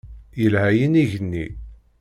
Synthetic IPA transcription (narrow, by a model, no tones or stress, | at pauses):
jəlhæjəniʝənːḭ